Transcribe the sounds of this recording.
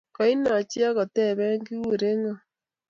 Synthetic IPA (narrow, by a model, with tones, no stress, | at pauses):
ka˨˦i˦na˨t͡ʃi˦a˦ɣo˨tɛ˦˨βɛ˦ŋɡi˦u˨ɾe˦ŋa˦˨